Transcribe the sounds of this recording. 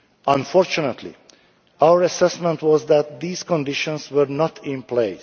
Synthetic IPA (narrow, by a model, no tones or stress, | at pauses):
ʔə̃nfɔɹt͡ʃunət̪ʰlḭ | awəɹæsɛsmɛ̃ntwɔzd̪æt̪̚d̪iːz̥kɔ̃ndɪʃɔ̃nswəɾnɔtʰɪ̃npleɪs